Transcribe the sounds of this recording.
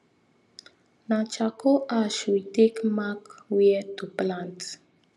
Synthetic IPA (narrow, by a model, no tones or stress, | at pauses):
nat͡ʃakoʔaʃwit̪ekmakwiɛt̪uplãnt̪